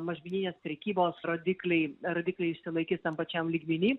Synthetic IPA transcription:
mɐʒʲmʲɪnʲiːnʲeːspʲɾʲɛkʲiːboːsɾoːd̪ʲiklʲɛɪɾoːd̪ʲɪklʲɛɪɪʃʲsʲɪlˠɐɪkʲɪst̪ɐmpɐt͡ʃʲɛmlʲiːɡmʲɪnʲiː

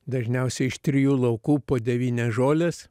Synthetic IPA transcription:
d̪ɐʒʲnʲɛʊsʲɛɪʃt̪ʲɾʲɪjuːlˠɐʊkuːpoːd̪ʲɛʋʲiːnʲɛʒoːlʲes

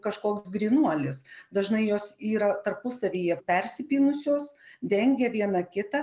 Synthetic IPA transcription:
kɐʃkoːksɡɾʲinuɔlʲɪsd̪ɐʒnɐɪjoːsiːɾɐt̪ɐrpʊsɐʋʲiːjɛpʲɛɾʲsʲɪpʲiːnʊsʲoːsd̪ʲɛŋʲɡʲɛʋʲiɛnɐkʲɪt̪ɐ

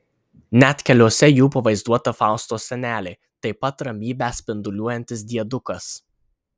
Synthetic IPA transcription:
nʲæt̪ʲkʲɛlʲoːsʲɛjuːpɐʋɐɪzd̪uɔt̪ɐfɑˑʊst̪oːsʲɛnʲæːlʲeː | t̪ɐɪpɐt̪ɾɐmʲiːbʲæːsʲpʲɪnd̪ʊlʲuɔjɛnʲt̪ʲɪsd̪ʲiɛd̪ʊkɐs

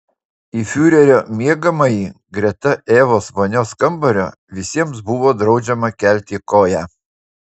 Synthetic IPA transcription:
iːfʲuːɾʲɛɾʲoːmʲiɛɡɐmɐjiːɡɾʲɛt̪ɐʔeːʋoːsʋɐnʲoːskɐmbɐɾʲoː | ʋʲɪsʲiɛmsbʊʋoːd̪ɾɒʊd͡ʒʲɛmɐkʲɛˑlʲt̪ʲiːkoːjæː

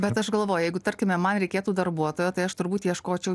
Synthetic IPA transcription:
bʲɛt̪ɐʃɡɐlˠʋoːjʊjɛɪɡʊt̪ɐɾʲkʲɪmʲɛmɐnɾʲɛɪkʲeːt̪uːd̪ɐrbuɔt̪oːjoːt̪ɐɪɐʃt̪ʊɾbuːt̪jiɛʃkoːt͡ʃʲɛʊ

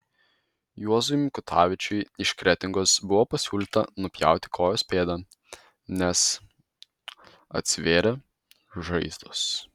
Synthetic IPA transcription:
juɔzʊjmʲkʊt̪ʰɑːʋʲɪt͡ʃʲʊɪɪʃkɾʲɛt̪ʲɪŋɡosbʊʋoːpɐsʲuːlʲɪːt̪ɐ̰nʊpʲjæ̰ˑʊt̪ʲɪ̥kʰoːjoːsʲpʲeːd̪ɐ | nʲɛs | ɐ̰t̪ʲsʲʋʲeːɾʲɛ | ʒɐɪzd̪ʊs

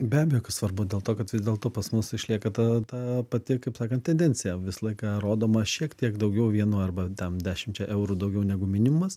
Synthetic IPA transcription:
bʲæːbʲɛjoːkɐssʋɐrbʊd̪ʲeːlˠt̪oːkɐt̪ʋʲɪzd̪ʲeːlˠt̪oːpɐsmʊsɪʃʲlʲiɛkɐt̪ɐt̪ɑpɐt̪ʲɪkɐɪpsɑːkɐnt̪tʲɛnʲdʲɛnʲt͡sʲɪjɛʋʲɪsɐlˠɐɪkɑːɾoːd̪oːmɐʃʲiɛkt̪ʲiɛkd̪ɐʊɡʲɛʊʋʲiɛnuːɐrbɐt̪ʲɛnd̪ʲæːʃʲɪmt͡ʃʲɛʔɛʊɾud̪ɐʊɡʲɛʊnʲɛɡʊmʲɪnʲɪmʊmɐs

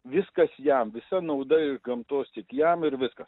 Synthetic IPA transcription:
ʋʲɪskɐsjɛmʋʲɪsɐnɐʊd̪ɐɪʒɡɐmt̪oːst̪ʲɪkjɛmɪɾʋʲɪskɐs

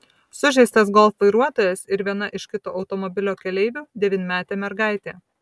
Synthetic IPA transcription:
sʊʒʲɛɪsʲt̪ɐsɡɔlˠfʋɐɪɾuɔt̪oːjɛsɪɾʋʲiɛnɐʔɪʃʲkʲɪt̪oːʔɐʊt̪ɔmɔbʲɪlʲoːkʲɛlʲɛɪʋʲuːd̪ʲɛʋʲɪnʲmʲæːt̪ʲeːmʲɛɾɡɑˑɪt̪ʲeː

